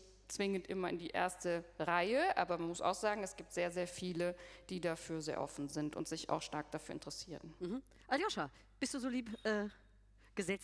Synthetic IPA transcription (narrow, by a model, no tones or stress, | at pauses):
t͡sv̥ɪŋəntʔɪmɐɪndiːʔḛːɐstəʁaɪəʔa̰ːbɐmanmʊsa̰ʊxz̥aːɡŋ̩ɛsɡ̥iːp̚tz̥eːɐzeːɐfiːləd̥iːdafyːɐzeːɐʔɔ̰fn̩zɪntʊ̰ntz̥ɪça̰ʊxʃtaɐk̚d̥afyːɐɪntəʁɛsiːʁənm̩ɦm̩ | ʔaljoʃa | b̥ɪstd̥uːzoːliːpʔɛː | ɡ̥əzɛt͡s